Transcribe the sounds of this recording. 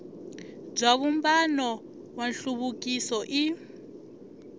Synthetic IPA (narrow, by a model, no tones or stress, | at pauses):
b͡ʐaβumbanɔ | wanɬuβuk̬ʼisɔʔi